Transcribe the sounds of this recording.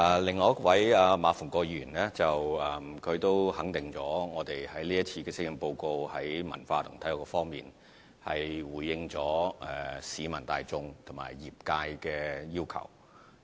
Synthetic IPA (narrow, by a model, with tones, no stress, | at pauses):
ɛ˨˧˩lɪ˨ŋːɔː˨˧jɐ˥k̚wɐ˨˥jaː˧maː˨˧fʊ˨˩ŋkɔː˧jyː˨˩nlɛː˥t͡sɐ˨wɛ˨mkʰɵ˨˧ɥt̪o˥whɐ˨˥ŋt̪ɪ˨ŋt͡sɔː˨˥ŋɔː˨˧t̪e˨jhɐ˨˥jliː˥jɐ˥t̚t͡sʰiː˧kɛː˧sɪ˥jɪ˨˧˩ŋpo˧wko˧whɐ˨˥jmɐ̰˨˩nfaː˧t̪ʰʊ˨˩ŋt̪ʰɐ˥jʊ˨˩kɔ˧fɔː˥ŋmḭː˨n | hɐ˨jwuː˨˩jɪ˧ŋt͡sɔː˨˥ɛː˨siː˨˥mɐ˨˩nt̪a̰ː˨˧jt͡sʊ˧ŋt̪ʰʊ˨˩ma̰ː˨˩jːiː˨˩p̚kaː˧jkɛː˧ji˥wkʰɐ̰˨˩w